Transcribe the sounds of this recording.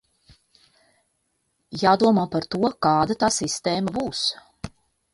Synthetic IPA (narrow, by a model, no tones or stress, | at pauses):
jaːd̪uɔmaːpaɾt̪uɔkɑːd̪at̪aːsist̪ɛːmɐbuːs